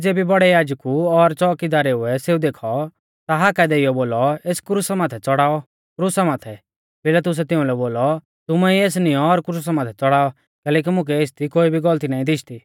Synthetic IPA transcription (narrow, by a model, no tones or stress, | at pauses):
d͡zeːbibɔɽɛjaːd͡ʒkuɔɾt͡ʃɔːkid̪aːɾɛɦʊɛseːũd̪eːkʰɔ | t̪aɦaːkɛd̪ɛɪjɔboːlɔeːskɾusamaːt̪ʰɛt͡sɔɽaːɔ | kɾusamaːt̪ʰɛ | peːlat̪̬ʊs̬ɛt̪ɪũlɛboːlɔ | t̪ʊmɛieːs̬nɪjɔɔɾkɾus̬amaːt̪ʰɛt͡sɔɽaːɔ | kɛːlɛːk̬imʊ̃k̬ɛeːst̪ʰikoːibʱiɡɔlt̪inaːĩd̪ɪʃʰt̪iː